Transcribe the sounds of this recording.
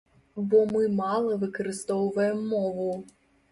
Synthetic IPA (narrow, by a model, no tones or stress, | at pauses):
bɔmɨmalˠɐvɨkɐɾɨst̪ɔwvɐjɛmːɔvu